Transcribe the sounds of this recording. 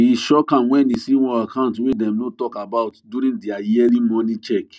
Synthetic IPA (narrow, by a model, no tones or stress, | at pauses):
iʃɔkãnwɛ̃nisĩwɔakʰãʊ̃ntwedɛ̃mnotɔkabaʊtduɾĩŋdiajɛlĩmɔnĩt͡ʃɛk